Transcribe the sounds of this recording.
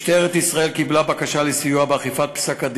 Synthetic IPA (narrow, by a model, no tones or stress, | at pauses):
ʃt̪eʁet̪isʁae̞lkiblabakaʃalesijuabeaχifat̪̚psakad̪